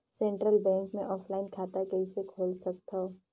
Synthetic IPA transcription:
sẽːɳʈɾəlbɛ̃ːŋkmẽʔɔːpʰlaːɪnkʰaːt̪akɐɦisekʰoːlsɐk̚t̪aː

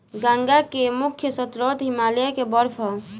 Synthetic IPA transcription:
ɡãŋɡakemʊkʰjəsət̪ɾot̪ɦimaːljakebəɾpʰɔ

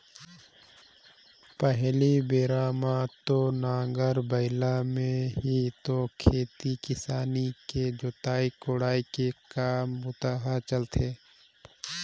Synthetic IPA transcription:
pəɦlibeːɾaːmãt̪onãːŋɡəɾbəɪlamẽɦit̪okʰeːt̪ikɪsaːniked͡ʒot̪aːikoːɽaːikekaːmbʊt̪aɦat͡ʃəlt̪ʰeː

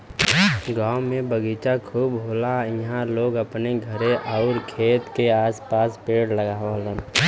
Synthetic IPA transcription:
ɡãːʊmẽbəɡiːt͡ʃakʰuːbɦoːlaɪɦãloːɡəpneɡʱəɾeʔɔʊɾkʰeːt̪keaːspaːspeːɽləɡaːʋalən

